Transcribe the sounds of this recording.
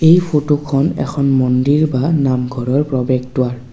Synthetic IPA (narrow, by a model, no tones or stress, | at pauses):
ejpʰotokʰɔnɛ̰kʰɔnmɔndiɹbanamɡʱɔɹɔɹpɹɔbɛɡ̚tʊaɹ